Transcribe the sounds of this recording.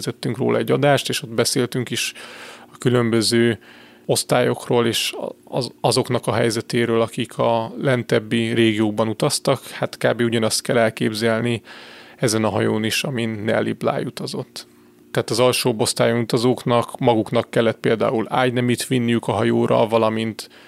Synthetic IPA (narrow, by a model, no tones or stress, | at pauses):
zɛt̪ːyŋkro̰ːlɒ̰ɛɟːɒd̪aːʃt̪eːʃo̞d̪bɛseːlt̪yŋkiʃɒkylø̞mbø̞zøː | o̞st̪aːjo̞kroːleːʃ | ɒzo̞kn̪ɒkɒɦɛ̰jzɛt̪eːɾøːlɒkikʰɒlɛnt̪ɛbːireːɡijoːɡ̚bɒnut̪ɒst̪ɒkhat̪ka̰ːbeːuɟɒnɒst̪kɛlɛlkeːbzɛlniɛzɛnɒɦɒjoːniʃɒminːɛlːḭbla̰ːjut̪ɒzo̞̰t̪ː | ɛɦaːt̪ɒzɒlʃoːbo̞st̪aːjonut̪ɒzoːknɒkmɒɡuknɒkːɛlːɛt̪̚peːld̪a̰ːula̰ːɟnɛmiːt̪ʋinːijykɒɦɒjoːɾɒ̰lvɒlɒmint̪